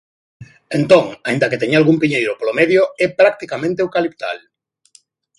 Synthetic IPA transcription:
ent̪õŋaĩnd̪aket̪eɲalɣumpiɲejɾopolomeðjoɛpɾak̚t̪ikamẽnt̪euwkalipt̪a̰l

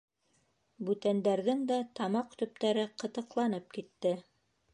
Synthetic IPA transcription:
bʉt̪ænd̪æɾðɘŋd̪æt̪ɑmɑqt̪ɵ̆p̚t̪æɾɘqɤ̆t̪ɤ̆qlˠɑnɤp̚kit̪ːɘ

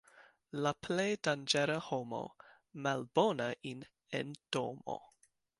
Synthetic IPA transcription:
lapʰlejdand͡ʒeɾahomo̰ | malbo̞naʔin | ḛnd̥omo̰

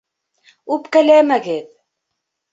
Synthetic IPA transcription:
ʉpkælæmæɡɘð

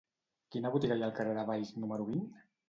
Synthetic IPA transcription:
kinəβut̪iɣajalˠkareðəβajznuməɾuβin

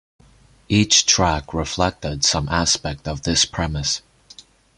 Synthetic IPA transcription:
ʔit͡ʃtʰɹ̥ækʰɹɪflɛk̚tədsʌ̃mʔæspɛk̚tʌvðɪspʰɹ̥ɛmɨs

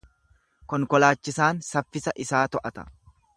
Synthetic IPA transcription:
kɔŋkɔlaːt͡ʃːɪsaːnsɐfːɪsɐʔɪsaːt̪ɔʔɐt̪ɐ̥̰

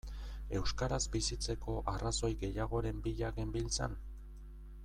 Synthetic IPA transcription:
e̞wskaɾazbisit͡se̞ko̞ʔaraso̞jɣe̞jaɣ̞o̞ɾe̞mbiʎaɣembilt͡sa̰n

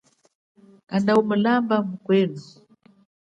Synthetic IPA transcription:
kandaumulambamukwɛːnu

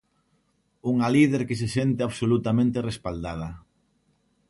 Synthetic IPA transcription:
uŋalið̞eɾkɪs̬esent̪eaβsolut̪amẽnt̪erespald̪að̞ɐ

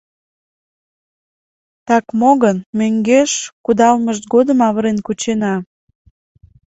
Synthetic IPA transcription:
t̪ɑkmoɣənmøŋɡeʃkud̪ɑlməʃt̪̚ɡod̪əmɑβəɾenkut͡ɕenɑ

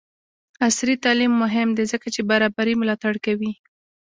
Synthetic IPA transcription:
asɾit̪ɑlimːʊɦɪmd̪ezəkat͡ʃebaɾɑbaɾimʊlɑt̪aɽkawi

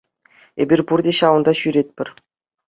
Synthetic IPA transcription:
ḛbʲirʲpurdʲeɕɑʋɤ̆nd̪ɑɕyɾʲet̪̚ʲpʲɘ̆rʲ

